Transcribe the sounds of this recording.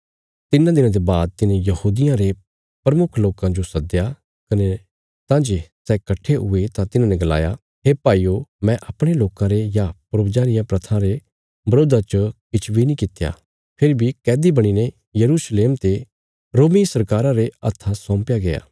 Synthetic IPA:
t̪ɪnãd̪ɪnãd̪ebaːd̪̚t̪ɪnẽjɐhuːd̪ɪjãɾe | pɾɐmʊkʰloːkãd͡ʒosɐd̪ja | kɐne | t̪ãːd͡ʒesɛːkɐʈʰːeɦʊet̪ãt̪ɪnãnẽɡɐla̰ːja | ɦeːpaːiːomɛ̃ʔɐpɽ̃eloːkãɾejapʊɾobd͡ʒaːɾɪjãpɾɐt̪ʰãɾe | bɐɾoːd̪at͡ʃəkɪt͡ʃʰbinĩkɪt̪ja̰ | pʰɪɾibʱikɛːd̪ibɐɽ̃ine | jɐɾuːsleːmt̪e | ɾoːmisɐɾkaːɾãɾeɐ̰t̪ʰːasɔ̃ːmpjaɡeja̰ː

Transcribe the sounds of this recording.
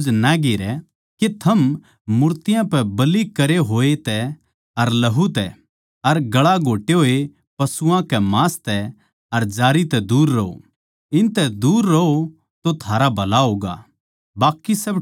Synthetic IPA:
d͡ʒnaɡeːɾɛ | ket̪ʰɐm | mʊɾt̪ɪjãpɛbɐlikɐɾeɦoːet̪ɛ | ɐɾlɐɦut̪ɛ̰ | ɐɾɡɐɭaɡʱoːʈeɦoːe | pɐsʊãkɛmãːst̪ɛ | ɐɾd͡ʒaːɾit̪ɛd̪uːɾːɐo̰ | ɪnt̪ɛd̪uːɾːɐo | t̪ot̪ʰaːɾabʱɐlaɦoːɡa̰ | baːkːisɐb

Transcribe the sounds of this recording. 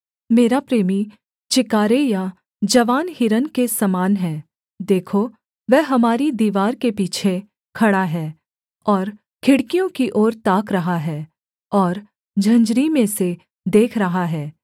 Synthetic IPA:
meːɾapɾeːmi | t͡ʃɪkaːɾeja | d͡ʒɐʋaːnhɪɾənkesɐmaːnɦɛː | d̪eːkʰo | ʋɛɦɦɐmaːɾid̪iːʋaːɾkepiːt͡ʃʰe | kʰɐɽaɦɛː | ɔːɾ | kʰɪɽkijõkiʔɔːɾt̪aːkɾɐɦaɦɛː | ɔːɾ | d͡ʒʱɐ̃ɲd͡ʒɾimẽse | d̪eːkʰɾɐɦaɦɛː

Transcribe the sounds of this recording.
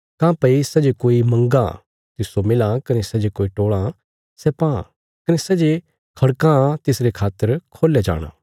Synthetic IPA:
kãːpɐisɛd͡ʒekoːimɐ̃ŋɡã | t̪ɪsomɪlãkɐnesɛd͡ʒekoːiʈoːɭã | sɛpã̰ | kɐnesɛd͡ʒe | kʰɐɽkãt̪ɪsɾekʰaːt̪əɾkʰoːled͡ʒa̰ːɽ̃a̰ː

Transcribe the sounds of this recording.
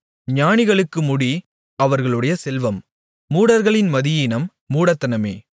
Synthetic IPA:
ɲaːɳɪɣɐɭɯkːɯmʊɽi | ɐʋɐɾɣɐɭɯɽɐjɐsɛlʋɐmː | uːɽɐɾɣɐɭɪnmɐðɪjɪnɐmːuːɽɐt̪ːɐnɐmḛː

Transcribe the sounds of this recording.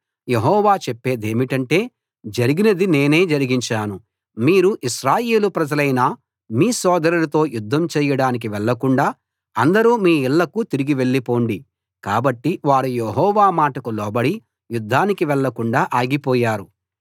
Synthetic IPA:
je̞ɦɔːʋaːt͡ʃɛpːe̞ːd̪e̞ːmiʈɐɳʈe̞ː | d͡ʒɐɾiɡinɐd̪ine̞ːne̞ːd͡ʒɐɾiɡiɲt͡ʃaːnu | miːɾuʔiʃɾaːje̞ːlupɾɐd͡ʒɐlɐjnaː | miːsɔːd̪ɐɾulɐt̪o̞ːjud̪ʱːɐmt͡ʃɛːjɐɽaːnik̬iʋɛɭːɐkuɳɖaː | ɐnd̪ɐɾuːmiːiɭːɐkut̪iɾiɡiʋe̞ɭːipo̞ːɳɖi | kaːbɐʈːiʋaːɾujeɦɔːʋaːmaːʈɐkulɔːbɐɽi | jud̪ʱːaːnikiʋɛɭːɐkuɳɖaːʔaːɡipɔːjaːɾu

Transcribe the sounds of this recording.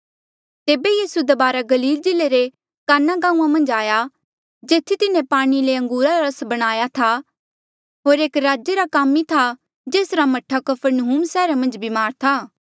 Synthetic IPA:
t̪eːbejiːsued̪ɐbaːɾaɡɐliːld͡ʒɪlːeɾe | kaːnːaɡãːũːãmɐ̃nd͡ʒaːja | d͡ʒeːt̪ʰːit̪ɪnẽpaːɽ̃ileɐ̃ŋɡuːɾaɾaɾɐsbɐɽ̃aːjat̪ʰa | ɦoːɾeːkɾaːd͡ʒeɾakaːmit̪ʰa | d͡ʒeːsɾamɐʈʰːakɐpʰəɾnɐɦuːmsɛːɾamɐ̃nd͡ʒbʱimaːɾt̪ʰaː

